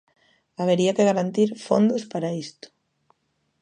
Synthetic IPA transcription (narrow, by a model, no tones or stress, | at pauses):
aβeɾiɐkeɣaɾant̪iɾfo̰nd̪ʊspaɾaist̪ʊ̥